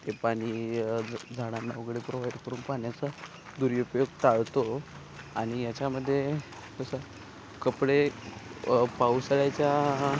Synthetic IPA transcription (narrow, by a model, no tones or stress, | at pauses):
t̪epaɽ̃i | d͡zʱaɽ̃amaʋəɡɽepɾoʋajɖkəɾuːnpaɳjat͡sa | d̪uɾjupjoɡt̪aɭt̪o | aɽ̃ijat͡ɕaməd̪ʱːje | kəsə | kəpɽe | pausɭat͡ɕja